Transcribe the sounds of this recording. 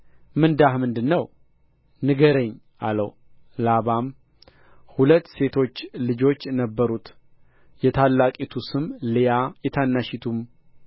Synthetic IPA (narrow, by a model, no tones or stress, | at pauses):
mɨnd̪ahmɨnd̪ɨnːəw | nɨɡəɾəɲː | ʔa̰lə̰w | laβam | hulət̪ːse̞t̪ʰo̞t͡ʃːlɨd͡ʒo̞t͡ʃːnəbːəɾut̪ | jɛt̪ʰalːakʼit̪ʰusɨmlijajɛt̪ʰanːaʃit̪ʰum